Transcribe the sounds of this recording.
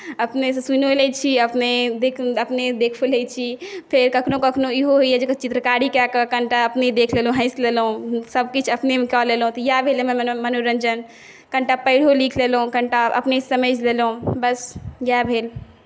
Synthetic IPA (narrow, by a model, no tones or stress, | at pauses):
əpnesesunolɛt͡ʃʰiəpned̪ekʰəpned̪eːkʰolet͡ʃʰipʰeɾkəkʰnõkəkʰnoiɦoɦoɛd͡ʒet͡ʃɪt̪ɾəkaɽikjakəkəɳʈaəpned̪eːkʰleːlũɦə̃ɪslelɦũsəbkit͡ʃʰəpnemẽkɔːleːlũt̪ɔjabʱeːlemẽmənoɾəɲd͡ʒən | kə̃ɳʈapəɪɽ̤olikʰlelɦũkəɳʈaʔɐ̰pnesəməd͡ʒlelɦũbəsjabʱeːl